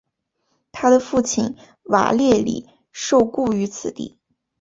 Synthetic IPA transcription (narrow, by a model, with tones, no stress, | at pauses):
t̪ʰa˥d̪ə˨fu˥˩t͡ɕʰi˥˩n | wa̰˨˧˩ljɛ˥˩lḭ˨˩ | ʂo˥˧ʊku˥˩y˧˥t͡sʰɹ̩˨˩t̪ḭ˥˩